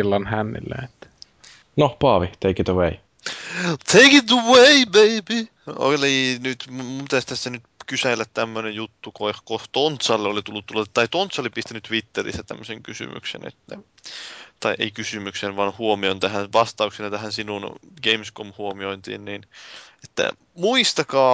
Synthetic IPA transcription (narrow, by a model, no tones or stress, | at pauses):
ilːɑnhænːḭlːæ̰et̪ːæ̥ | nopɑːʋit̪ʰeikit̪əwei | t̪ʰeikit̪uweibeibi | o̰linyt̪mut̪æst̪æsːænyt̪kysælːæt̪t̪æmːønejjut̪ːukohkost̪ont̪sɑlːeolit̪ulːut̪t̪ːulːɑt̪ɑit̪ont̪sɑolipist̪ænːyt̪ʋit̪ːerḭst̪ːæt̪æ̰mːøseŋkysy̰my̰ksḛnḛt̪ːæ̰ | t̪ɑiʔeikysymyksenʋɑːnhuomiont̪æhænʋɑst̪ɑuksenɑt̪æhænsinunɡ̥eimskomhuomioint̪ḭːnnine̥t̪ːæ̰ | muist̪ɑkɑː